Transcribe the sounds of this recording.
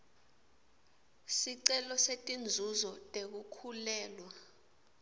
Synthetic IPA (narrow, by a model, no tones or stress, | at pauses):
siǀɛlɔsetʼind͡zʱuzɔtʼek̬ukʰulɛːlwa